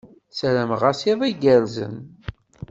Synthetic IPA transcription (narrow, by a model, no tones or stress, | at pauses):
sæɾæmʁasiðˤæɡəɾzə̰n